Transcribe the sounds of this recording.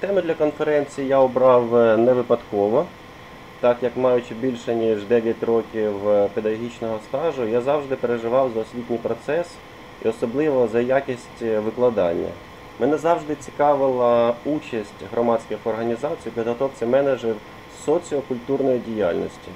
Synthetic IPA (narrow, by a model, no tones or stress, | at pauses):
t̪ɛmʊd̪lʲɐkɔnfeɾɛnʲt͡sʲijijaɔbɾɑwnɛʋɪpɐd̪kɔʋɔ | t̪ɑkjɐkmɑjʊt͡ʃɪbʲilʲʃɛnʲiʒd̪ɛʋʲjɐtʲrɔkʲiwped̪ɐɣɔɦʲit͡ʃnɔɦɔst̪ɑʒʊjazɑwʒd̪ɪpeɾeʒɪʋɑwzɐɔsʲʋʲitʲnʲijpɾɔt̪sɛs | ḭɔsɔblˠɪʋɔzɐjakʲisʲtʲʋɪklˠɐd̪ɑnʲːɐ̰ | mɛnɛzɑwʒd̪ɪt͡sʲi̥kɑʋɪlˠɐut͡ʃɐsʲtʲɦrɔmɑdʲt͡sʲkɪxɔrɦɐnʲizɑt͡sʲijpʲid̪ɦɔt̪ɔwt͡sʲɐmɛned͡ʒer | sɔt͡sʲiɔkʊlʲt̪urnɔjidʲijɑlʲnɔ̰sʲtʲi